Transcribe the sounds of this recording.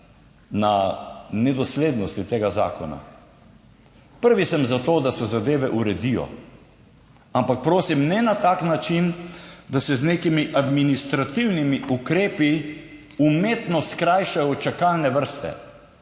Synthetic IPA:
nanɛd̪ɔsleːd̪nɔst̪it̪eːɡaza̰ːkɔ̰na̰ | pəɾʋisəmzat̪oːd̪asɛzad̪eːʋɛʔuɾɛd̪ijɔ̰ | ampak̚pɾoːsimnɛnat̪aːknat͡ʃind̪asɛzneːkimiʔad̪minist̪ɾat̪iwnimiʔukɾeːpi | umeːt̪nɔskɾajʃajɔt͡ʃakalnɛʋəɾst̪ɛ̰

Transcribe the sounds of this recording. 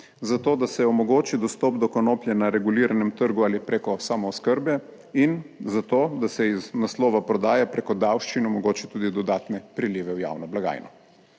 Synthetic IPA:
zat̪oːd̪asɛɔmɔɡoːt͡ʃid̪ɔst̪ɔːpd̪ɔkɔnoːpljɛnaɾɛɡuliːɾanɛmt̪əɾɡuaːlipɾekɔsaːmɔːskəɾbjɛ | inzat̪oːd̪asɛiznaslɔːʋapɾɔd̪aːjapɾekɔd̪awʃt͡ʃinɔmɔɡoːt͡ʃit̪uːd̪id̪ɔd̪aːt̪nɛpɾiliːʋɛwja̰ːwnɔblaɡa̰ːjnɔ

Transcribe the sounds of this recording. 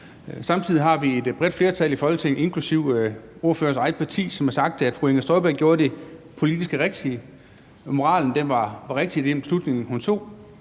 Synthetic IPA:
sɑ̈mt͡sʰið̞̰ˠiɦɑ̈ʋie̝d̥b̥ʁɛd̥fle̝ːɐt͡sʰælifɒ̽lɡə̥t͡sʰeŋe̝nkʰlusiʊo̝ɐfø̰ːɐsɑ̈ɪ̥pʰɑ̈t͡sʰḭːsɒ̽mæɐsɑ̈ɡ̥̚d̥ʰeæd̥fʁueŋæsd̥ʁɔɪb̥æɐ̰ɡ̥oːɐd̥e̝ | pʰo̝lid̥isɡ̥əʁeɡ̥̚d̥i | mo̝ʁɑ̰̈ːln̩d̥enʋɑ̈ɑʁeɡ̥̚d̥id̥eembeslud̥ne̝ŋn̩hunt͡sʰo̝̰ː

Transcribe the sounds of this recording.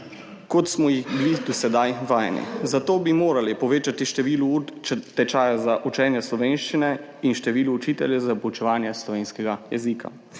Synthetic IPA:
kɔt̪smɔjixbilid̪ɔsɛd̪ajʋaːjnḭzat̪oːbimoːɾalipɔʋeːt͡ʃat̪iʃt̪ɛʋiːlut͡ʃt̪ɛt͡ʃaːjazaʔut͡ʃɛːnjɛslɔʋeːnʃt͡ʃinɛ | inʃt̪ɛʋiːluːt͡ʃiːt̪ɛljɛzapɔut͡ʃɛʋaːnjɛslɔʋeːnskɛɡajɛ̰zikʰa̰

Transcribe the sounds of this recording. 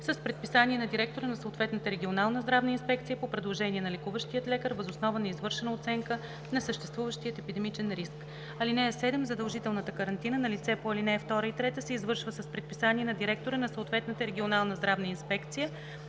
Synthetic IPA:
səspɾɛt̪̚pisaniɛnɐd̪iɾɛk̚t̪oɾənɐsoːt̪vɛt̪nət̪əɾɛɡʲionalˠnəzd̪ɾavnəinspɛk̚t̪sijəpopɾɛd̪lˠoʒɛniɛnɐlɛkuvəʃt̪ijət̪lɛkəɾvəzʊsnɔvənɐizvɤɾʃɛnəʊt̪sɛŋkə | nɐsəʃt̪ɛst̪vuvəʃt̪ijət̪ɛpid̪ɛmit͡ʃɛnɾisk | ɐlinɛɛsɛd̪ɛmzəd̪əlˠʒit̪ɛlˠnət̪əkəɾɐnt̪inənɐlit̪sɛpoɐlinɛɛft̪ɔɾəit̪ɾɛt̪əsɛizvɤɾʃvəsəspɾɛt̪̚pisaniɛnɐd̪iɾɛk̚t̪oɾənɐsoʊt̪vɛt̪nət̪əɾɛɡʲionalˠnəzd̪ɾavnəinspɛkt̪sijə

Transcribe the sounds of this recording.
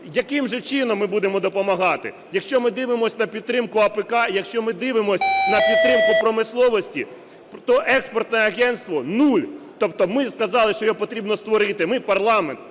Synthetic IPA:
jɐkɪmʒɛt͡ʃɪnɔmːɪbud̪emɔd̪ɔpɔmɐɦɑt̪ɪ̰ | jɐkʃt͡ʃɔmɪd̪ɪʋɪmɔsʲnɐpʲid̪̚t̪ːɾɪmkʊɐpɛkɑjɐkʃt͡ʃɔmɪd̪ɪʋɪmɔsʲnɐpʲid̪̚t̪ɾɪmkʊpɾɔmɪslˠɔʋɔsʲtʲḭ | t̪ɔʔɛkspɔrt̪nɔɛɐɣɛnt̪st̪ʋɔnulʲt̪ɔp̚t̪ɔmɪskɐzɑlˠɪʃt͡ʃɔjɔpɔt̪ɾʲibnɔst̪ʋɔɾɪt̪ɪmɪpɐrlˠɑment̪

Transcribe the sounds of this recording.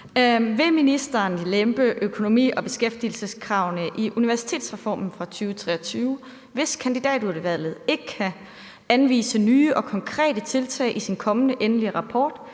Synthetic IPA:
ʋe̝minisd̥ɐnlemb̥əʔøkʰo̝no̝mḭːɒ̽b̥e̝sɡ̥efd̥il̩səskʰʁɑ̈ʊnəʔiʔuniʋæɐsi̥t͡sʰe̝̰ːd̥sʁɛfɒ̰ːmn̩fʁɑ̈t͡sʰyːʊt͡sʰʁɛːɒt͡sʰyːʊ | ʋe̝skʰænd̥id̥ɛ̰ːd̥uɐdəʋæl̰ð̩ˠe̝ɡ̥əkʰæ | ænʋḭːsənyːʔɒ̽kʰɒ̽ŋkʰʁɛ̰ːd̥ət͡sʰe̝lt͡sʰɛ̰ɪʔisinkʰɒ̽mənəʔenəliʁɑ̈pʰɒːd̥

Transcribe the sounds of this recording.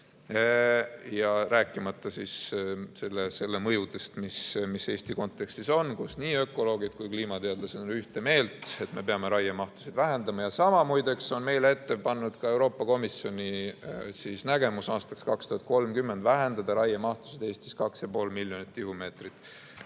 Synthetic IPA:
jɑɾæːkːˑimɑt̪ːˑɑsisse̞lːese̞lːe̞mɤjud̪e̞st̪mismise̞ːst̪iko̞nt̪ːˑe̞kst̪iso̞nkusniːø̞kːˑo̞lo̞ːɡit̪kujkliːmɑt̪eɑd̪lɑsed̪onyht̪e̞me̞ːlt̪ˑe̞t̪me̞peɑme̞ɾɑjemɑht̪u̥sid̪væɦe̞nd̪̥ɑmɑjɑsɑmɑmujd̪e̞kso̞nme̞jle̞t̪ːe̞pɑnːud̪̥kɑe̞wɾo̞ːpːˑɑko̞misjo̞nʲisisnæɡe̞musɑːst̪ɑ̥kskɑkst̪uhɑt̪ko̞lmkymːe̞nd̪væɦe̞nd̪ɑd̪̥ɑɾɑjɑmɑht̪u̥sid̪̥e̞ːst̪i̥skɑksjɑpo̞ːlmilʲːjo̞nit̪ˑːihume̞ːt̪rit̪ːˑ

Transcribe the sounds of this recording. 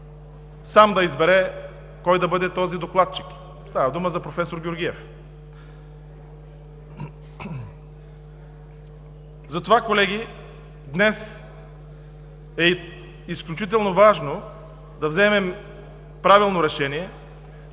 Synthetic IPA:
samd̪ɐizbɛɾɛ | kɔjd̪ɐbɤd̪ɛt̪ɔzid̪oklˠat̪̚t͡ʃi̥k | st̪avɐd̪uməzɐpɾofɛsoɾɡʲoɾɡʲiɛf | zɐt̪ovakolɛɡ̟ʲi | d̪nɛs | ɛ | isklʲut͡ʃit̪ɛlˠnovaʒno | d̪ɐvzɛmɛm | pɾavilˠnoɾɛʃɛniɛ

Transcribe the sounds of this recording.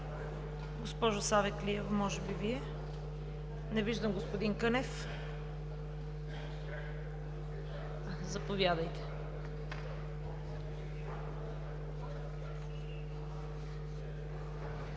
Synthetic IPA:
ɡospɔʒʊsavɛkliɛvmɔʒɛbiviɛ | nɛviʒd̪əmɡospod̪iŋkɤnɛf | zɐpovʲjad̪əjt̪ɛ̥

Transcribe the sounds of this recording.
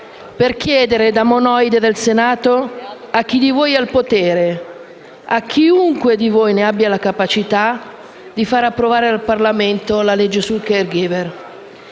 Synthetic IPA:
perk̟jɛːd̪eɾed̪amonɔjd̪ed̪elsenaːt̪o | ak̟ːid̪ivoːjalpot̪eːɾe | ak̟ʰːiuŋkwed̪ivojneabːjalakapat͡ʃit̪a | d̪ifaːɾapːɾovaːɾealparlament̪olaled͡ʒːesulkerɡiver

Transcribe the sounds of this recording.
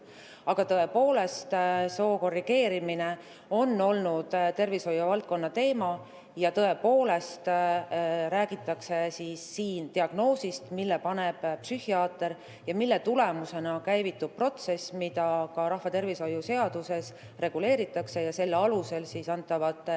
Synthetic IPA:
ɑɡ̥ɑt̪ɤe̞po̞ːle̞st̪soːko̞rːiɡ̥e̞ːɾimine̞ | o̞nːo̞lnud̪̥t̪e̞rviso̞jːuvɑlt̪̚ko̞nːɑt̪e̞ːmɑ | jɑt̪ɤe̞po̞ːle̞st̪ | ɾæːɡ̥it̪ːˑɑkse̞sisːiːnt̪iɑɡ̥no̞ːsist̪milːepɑne̞b̥psyhiɑːt̪ːˑe̞ɾ | jɑmilːe̞t̪ule̞muse̞nɑkæjvit̪ːˑub̥̚pro̞t̪se̞smid̪̥ɑkɑɾɑhvɑt̪e̞rviso̞juse̞ɑd̪̥use̞s | re̞ɡ̥ule̞ːɾit̪ːˑɑkse̞jɑse̞lːeɑluse̞lsisɑnt̪ːˑɑvɑd̪̥ˑ

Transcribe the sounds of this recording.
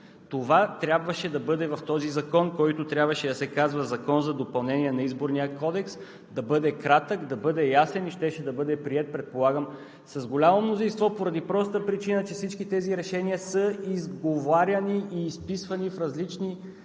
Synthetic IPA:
t̪ovat̪ɾʲabvəʃɛd̪ɐbɤd̪ɛvɐft̪ɔzizɐkɔnkɔjt̪ot̪ɾʲjabvɐʃɛd̪ɐsɛkazvɐzɐkɔnzɐd̪opɐlˠnɛnʲiɛnɐizboɾnijəkɔd̪ɛks | d̪ɐbɤd̪ɛkɾat̪əkd̪ɐbɤd̪ɛjasɛniʃt̪ɛʃɛd̪ɐbɤd̪ɛpɾiɛt̪̚pɾɛt̪̚polˠaɡəm | sɐzɡolʲamomnozĩnst̪vɔpoɾɐd̪ipɾɔst̪əpɾit͡ʃinət͡ʃɛfsit͡ʃkit̪ɛziɾɛʃɛniəsəizɡovaɾʲɐniiːspisvɐnifɾɐzlit͡ʃni

